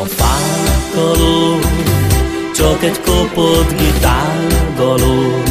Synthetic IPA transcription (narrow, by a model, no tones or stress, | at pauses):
pakɔlo | t͡ʃɔket̪kopod̪ɡid̪alɡɔlo